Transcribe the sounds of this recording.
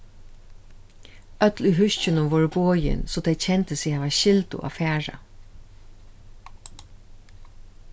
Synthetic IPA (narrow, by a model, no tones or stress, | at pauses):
œt̪lyɦʉʃcʏnʊmvoːɹboːjɪ̰nsoːd̪ɛɪt͡ɕʰɛnt̪əsihaːʋaʃɪlt̪ʊ̰ʔa̰fæːɹa̰